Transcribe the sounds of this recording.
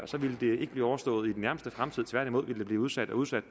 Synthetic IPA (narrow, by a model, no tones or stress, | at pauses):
ɒsɒ̽ʋiləd̥e̝eɡ̥b̥liːɒʊɐsd̥ɔ̰̽ːð̞̩ˠid̥enæɐməsd̥əfʁamt͡sʰið̞̰ˠt͡sʰʋæɐ̰ɾ̥imo̝ðˠʋiləd̥e̝b̥liːuðˠsæd̥ɒ̽uð̞ˠsæd̥